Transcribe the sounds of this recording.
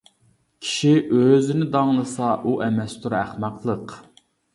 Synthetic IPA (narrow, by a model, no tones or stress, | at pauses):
kʲʰi̥ʃiʔøzɪnɪd̪ɑŋlˠəsɑʔuʔɛmɛst̪ʰuɾæχmɑqlˠəq